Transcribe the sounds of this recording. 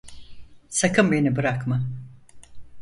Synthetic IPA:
sakʰɯmbe̞nibɯɾakmɯ

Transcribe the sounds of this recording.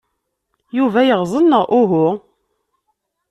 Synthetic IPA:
juvæjəʁzˤənːəʁʔʊɦʊ

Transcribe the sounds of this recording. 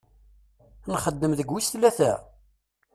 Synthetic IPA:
nχəd̪ːəmðəɡwisθlːæθæ̰

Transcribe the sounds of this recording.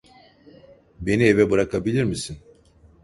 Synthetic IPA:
be̞nie̞vɛbɯɾakʰabilʲiɾmisin

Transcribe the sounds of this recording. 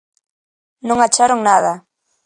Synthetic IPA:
nõŋat͡ʃaɾoŋnaða

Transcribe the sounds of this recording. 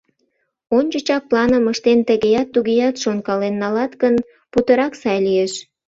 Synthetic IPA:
onʲt͡ɕət͡ɕɑk̚plɑnəməʃt̪ent̪əɣejɑt̪ːuɣejɑt̪ʃonkɑlenːɑlɑt̪ɡən | put̪əɾɑksɑjlieʃ

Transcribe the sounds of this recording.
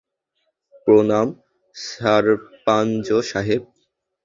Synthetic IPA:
pɾonam | saɾpand͡ʑoʃaɦeb̚

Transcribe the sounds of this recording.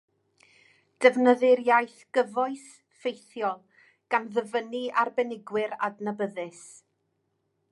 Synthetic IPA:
d̥əvnəðɪɾjajθɡ̥əvɔɨs | fejθjɔlˠ | ɡ̥anðəvəniarbɛnɪɡwɪɾa̰dnəbəðɨs

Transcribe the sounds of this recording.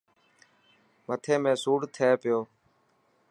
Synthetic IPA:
mət̪ʰeːmẽːsuːɽt̪ʰeːpɪjoː

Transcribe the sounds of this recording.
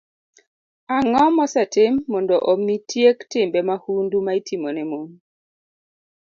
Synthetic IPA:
aŋɔmɔsɛtɪmːɔndɔʔomitjektɪmbɛmahundumaitʰimɔnɛmon

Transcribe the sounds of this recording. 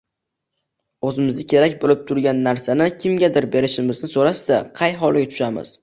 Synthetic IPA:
ɵzɪmɪzɪkʲʰe̞ɾak̚ʲbolɪp̚t̪ʰʊɾɡʲanːaɾsanɪkʲʰɪmɡʲad̪ɪɾbe̞ɾɪʃɪmɪznɪsoɾasːaqʰɑjɦɒlˠɡʲat̪ʰʊ̥ʃamɪ̰z̥

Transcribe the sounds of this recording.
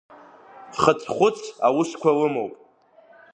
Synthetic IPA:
χət͡sʰχʷʊt͡sʰawʊʂkʷʰalɨmowpʼ

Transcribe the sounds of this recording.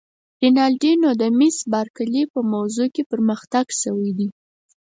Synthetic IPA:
ɾenɑlɖinod̪amisbɑɾkəlepəmawzokepəɾməxt̪aɡʃəwəjd̪i

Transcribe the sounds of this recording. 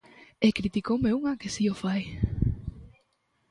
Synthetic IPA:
ekɾit̪ikowmeuŋɐkesiofaj

